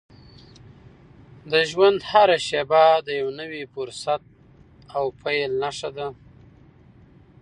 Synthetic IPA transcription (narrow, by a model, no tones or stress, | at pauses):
d̪əʒwand̪haɾaʃebad̪əjawnəwifʊɾsat̪̚ | awpʰajlnaʂad̪a